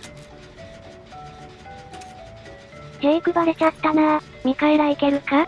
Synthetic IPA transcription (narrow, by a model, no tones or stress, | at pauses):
heikɯ̟baɾet͡ɕat̪ːana | mʲikaeɾaike̞ɾɯ̟ka